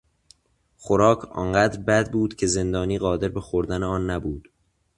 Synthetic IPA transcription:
xoɾɒːkʰɒ̰ːnɢæːd̪ɾbæd̪̚buːd̪̥cʰe̞ze̞nd̪ɒːniːɢɒːd̪e̞ɾbe̞xoɾd̪æneɒːnːæbuːd̪̥

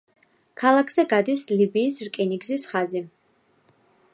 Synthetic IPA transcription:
kʰalˠakʰz̥ɛɡad̪islibiːsɾkʼɛniɡzisχazi

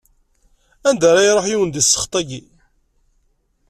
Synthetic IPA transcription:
ænd̪æɾˤæjɾˤoħjiwənd̪isːə̥χt̪ˤæɡi

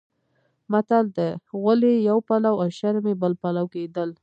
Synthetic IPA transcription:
mat̪ald̪əɣəlejawpalawaʃaɾmebəlpalawked̪əl

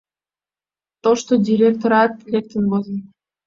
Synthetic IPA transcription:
t̪oʃt̪odʲiɾʲek̚t̪oɾɑt̪lʲek̚t̪ənbozən

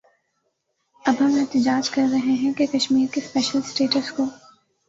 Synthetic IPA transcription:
ɐbɦɐmɛɦt̪ɪd͡ʒaːd͡ʒkɐɾːɐɦeɦɛ̃kekɐʃmiːɾkespɛːʃəlsʈeːʈəskoː

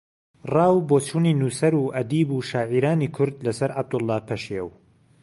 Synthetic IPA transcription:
rɑːwboːt͡ʃʰuːniːnuːsɐɾuːʔɐd̪iːbuːʃaːʕiːɾaːniːkʰʊɾd̪lɐsɐɾʕab̚d̪ʊlˠːɑːpʰɐʃew

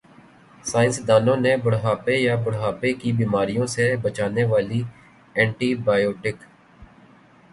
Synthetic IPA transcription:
saːɪ̃nsd̪aːlõːnebʊɽɦaːpejabʊɽɦaːpekibiːmaːɾijõsebət͡ʃaːneʋaːli | ɛ̃ːɳʈiːbaːjoːʈɪk

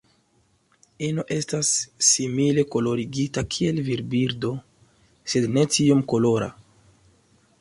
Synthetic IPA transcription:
inoʔe̞stasːimile̞ko̞lo̞ɾiɡitakʰie̞lviɾbiɾdo̞ | se̞dne̞tiomko̞lo̞ɾa̰

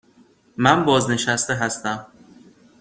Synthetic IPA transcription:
mænbɒːzne̞ʃæst̪eɦæst̪æm

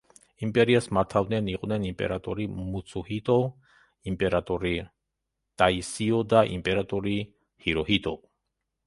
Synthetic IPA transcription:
impʼɛɾiasmaɾt̪ʰavnɛniqʼvnɛnimpʼɛ̰ɾat̪ʼɔɾimusʰuhit̪ʼɔ | impʼɛɾat̪ʼɔɾi | t̪ʼaisiɔd̪aʔḭmpʼɛɾat̪ʼɔɾi | hiɾɔhit̪ʼɔ

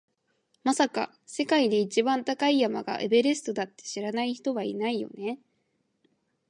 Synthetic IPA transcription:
masaka̰ | se̞kaid̪e̞it͡ɕibãnt̪akaijamaɡa̰ʔḛbe̞ɾe̞sɨ̥t̪o̞d̪at̪ːe̥ɕiɾanaiçi̥t̪o̞βaḭnaijo̞̰ne̞

